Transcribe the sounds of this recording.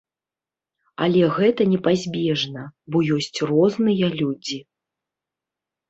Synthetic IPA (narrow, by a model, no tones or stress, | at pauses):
a̰lʲɛɣɛt̪ɐnʲɛpazʲbʲɛʐnɐbɔjɔsʲt͡sʲrɔznɨjɐlʲud͡zʲi